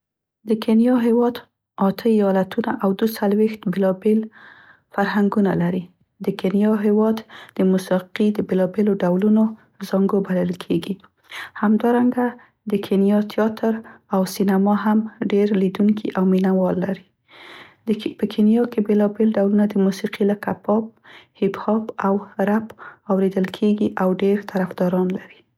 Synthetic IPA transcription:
d̪əkʰenjɑɦɪwɑd̪ | ɑt̪ʰəijɑlat̪ʰunaʔawd̪usalwext̪belɑbel | faɾɦaŋɡuna̰laɾi | d̪əkenjɑɦɪwɑd̪d̪əmusiqid̪əbelɑbeloɖawluno | zɑŋɡobaləlkʰeɡi | hamd̪ɑɾaŋɡa | d̪əkʰenijɑt̪jɑt̪ʰəɾawsinamɑɦamɖeɾlid̪uŋkʰḭʔawminawɑlːaɾi | pəkʰenjɑkebelɑbelɖawlunad̪əmusiqilakapɑp̚hɪbhɑpawɾapɑwɾed̪əlkʰeɡiʔawɖeɾt̪ʰaɾafd̪ɑɾɑnlaɾi

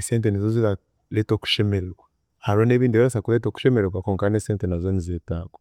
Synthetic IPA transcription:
eseːnt̬enizozia | leto̞ːku̥ʃemeɾekwa | aɾone̞ːβiːndiβiasakuletoːku̥ʃemeɾeɾwakoːŋkaneseːntenazonizeːtaːko

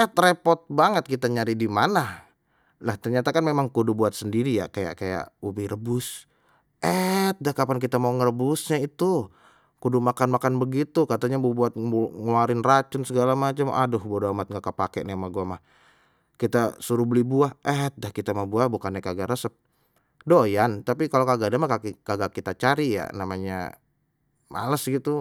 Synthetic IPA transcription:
ɛt̪repɔt̪̚baŋət̪̚kit̪aɲaɾidimana | laht̪ərɲat̪akanmemaŋkudubuat̪̚səndiɾija̰kaja̰ʔkaja̰ʔubiɾəbʊs | ʔɛt̪̚dahkapank̬it̪amauŋərəbʊsɲait̪u | kudumakanmakanbəɡit̪ukat̪aɲabubuat̪̚uŋuaɾɪnrat͡ʃʊnsəɡalamat͡ʃamʔa̰dʊhbuadoamat̪̚ŋɡaʔkapakɛ̰ʔnemaɡuamah | kit̪asuɾubəlibuahɛt̪̚dahkit̪amabuahbukanːakaɡaɾəsəp̚ | dojant̪apikalokaɡadamakakaɡakit̪at͡ʃaɾija̰namaɲa̰ | ma̰ləsɡit̪u

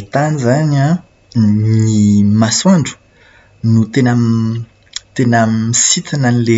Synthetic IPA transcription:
it̪anizana | nimaswaɳɖ͡ʐu̥ | nut̪enə | t̪enəmisit̪ananile

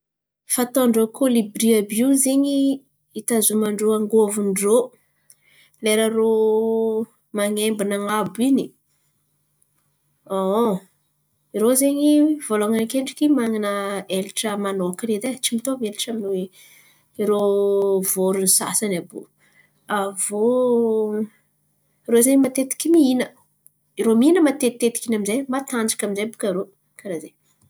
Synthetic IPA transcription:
fat̪oɳɖ͡ʐokolibɾiabuzeɲi | it̪azumaɳɖ͡ʐoaŋɡovunro | leɾaɾo | maŋembinaŋabuini | o | iɾozeɲivoloŋankeɳɖ͡ʐikimaŋinəelʈ͡ʂəmanokiɾed̪et͡ʃimit̪omeliʈ͡ʂaminue | iɾovoɾunisa̰sanabo̰ | avo | rozeɲmat̪et̪i̥kʲimiinə | iɾominəmat̪et̪t̪ːet̪i̥kʲinaminzejmat̪and͡ʒḁkʲaminzejbukaɾo | kaɾaze

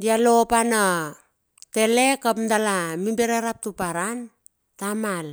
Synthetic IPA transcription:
dialopana | te̞le̞kapndalamimbeɾeɾap̚tupaɾan | tamal

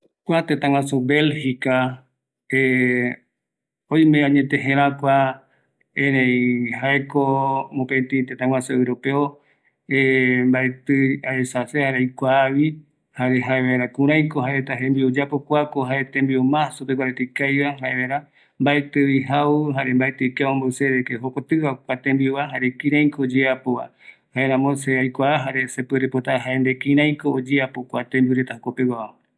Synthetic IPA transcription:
kʷat̪ẽt̪ãŋwãsobe̞lhika | e | oj̃mẽãɲẽt̪ẽɦẽɾakʷa | ẽɾẽĩhaekomõpet̪ĩt̪ẽt̪ãŋwãseɾopeo | embaet̪ɨaesasehaɾejkʷaːβi | haɾeɦaeβaeɾakũɾ̃ãj̃koɦaeet̪aɦẽmbiod͡ʒapokʷakoɦaet̪ẽmbiomasupeɡʷaɾet̪ekajβaɦaeβaeɾa | mbaet̪ɨiɦauɦaɾembaet̪ɨkeombaseðekeɦokʷat̪ɨβakʷat̪ẽmbiuβaɦaɾekĩɾ̃ãj̃koːd͡ʒeapoβa̰ | haeɾãmõseajkʷaːɦaɾesepɨɾepot̪aɦaend̪ekĩɾ̃ãj̃koːd͡ʒeapokʷat̪ẽmbiuɾet̪ahokopewaa

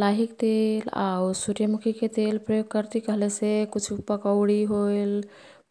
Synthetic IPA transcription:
laɦikt̪ela̰wsuɾjəmukʰiket̪elpɾəjoɡ̚kəɾt̪ikəɦlesekut͡ʃʰupəkəʊɽiɦojl

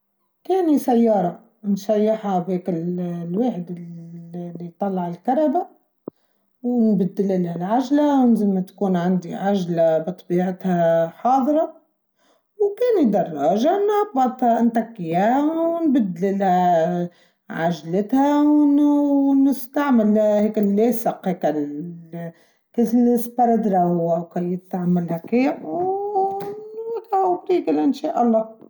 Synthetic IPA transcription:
keːnisajːɑːɾˤɑ | nʃajːɪħabekɪllweːħɪd̪ɪ | lːit̪ˤɑlːɑʕɪlkɑɾˤɑba | wnbɪd̪ːɪlʔɪlhalʕaʒlawnzɪlmat̪ḁkuːnʕand̪iʕaʒlabɨt̪ˤbiːʕɪt̪haħɑːðˤɾˤɑ | wkeːnid̪ɑrˤːɑːʒanʕɑbːɑd̪ˤhɑnt̪akːiːhawnbɪd̪lɪlha | ʕaʒlɪt̪hawnnɪst̪aʕmɪlheːkɪlːeːsɪqheːkɪl | keːsɪlɪsbɑɾˤɑd̪ɾaʊwawkajɪt̪aʕamːalhakeːʕw | ɪk̪awbɾiːɡɪlʔɪnʃaːʔɑlˤːɑː

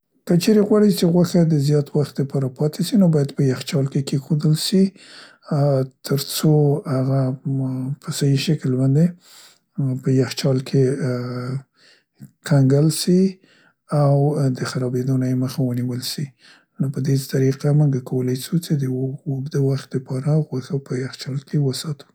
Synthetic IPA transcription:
kət͡ʃeɾeɣwɑɽit͡ʃeɣwaxad̪əzjɑt̪waxt̪̚d̪əpɑɾapɑt̪ʰeʃinobɑjad̪pəjaxt͡ʃɑlkekexod̪əlʃi | t̪ʰəɾt͡sohaɣa | pəsajiʃaklbɑnd̪e | pəjaxt͡ʃɑlkʰe | kʰaŋɡəlsi | awd̪əxaɾɑbed̪onajeməxawəniwəlʃi | nopəd̪et̪aɾiqamuŋɡakawəlajʃut͡sed̪əd̪əwaxt̪̚d̪əpɑɾaɣaxəpəjaxt͡ʃɑlkʰewəsɑt̪u̥

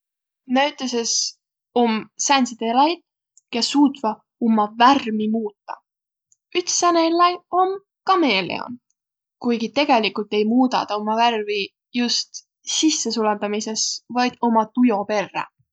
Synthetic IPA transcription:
næɥt̪ːˑeses | o̞msænsid̪elɑjd̪̥ | kesːuːt̪vɑ | omːɑværmimuːt̪ːɑ̥̰ | yt̪sɑnelɑjo̞m | kɑme̞ːlḛo̰n | kujɡit̪e̞ɡ̥e̞likult̪ːˑe̞jmuːd̪ɑ̰t̪ɑo̞mːɑværvi | just̪ | sisːe̞sulend̪ɑmise̞svɑjd̪̥o̞mɑt̪ujo̞pe̞rːḛ

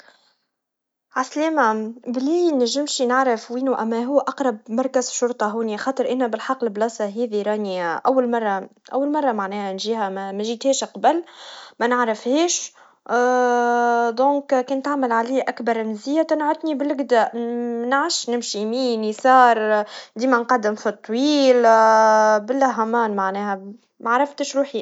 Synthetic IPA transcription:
ʕasleːmæbliːnæʒːɪmʃinaʕɾafwiːnuʔæmːæɦuːʔɑqɾˤɑb̚mɑɾˤkæzʃʊɾt̪ˤɑɦuːnixɑːt̪ˤəɾʔɪnːæbɪlħɑqːlblɑːsˤɑɦiːðiɾˤɑːniʔæwːalmɑrˤːɑʔæ̰wːalmɑrˤːɑmaʕnɛːhænʒiːhæmæmæʒiːt̪hɛːʃqɑbəlmænəʕɾɪfheːʃ | d̪õːkkæːnt̪aʕmalʕaliːʔækbɑɾˤnzijːæt̪ɪnʕʊt̪ˤnibɪlɡd̪æːʔnʕaʃnɪmʃimiːnisɑːɾˤd̪iːmænqɑd̪ːɪmfit̪ˤːwiːl | bɪlːæɦæmɑːnmaʕnɛːhæ | maʕɾˤɑft̪ɪʃɾuːħi

